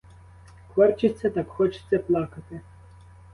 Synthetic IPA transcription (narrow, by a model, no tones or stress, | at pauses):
kʋɔrt͡ʃɪtʲt͡sʲːɐt̪ɑkxɔt͡ʃɪ̥sʲːɐplˠɑkɐt̪ɪ